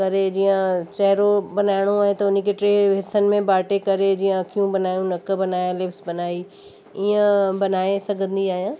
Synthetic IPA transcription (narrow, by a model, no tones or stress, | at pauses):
kɐɾed͡ʑiːjə̃t͡ʃɛɦɾobɐnaːɪɽ̃oaːɦẽt̪ɐʊn̆keʈɾeːɦɪsənɪ̆mẽbaːʈekɐɾed͡ʑiːjə̃kijũbɐnaːjũnɐkbɐnaːjãlɪfsbɐnaːi | iːə̃bɐnaːesɐɡʱə̃nd̪iaːɦijãː